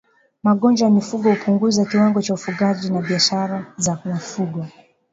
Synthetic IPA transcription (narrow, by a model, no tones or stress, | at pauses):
maɠɔnd͡ʒajamifuɡɔhupʰuŋɡuzakiwaŋɡɔt͡ʃaufuɠaʄinaɓiaʃaɾazawafuɡwɔ